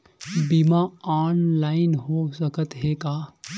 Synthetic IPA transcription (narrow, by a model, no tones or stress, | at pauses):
bimaaːnlaːɪnɦosəkət̪ɦeːkaː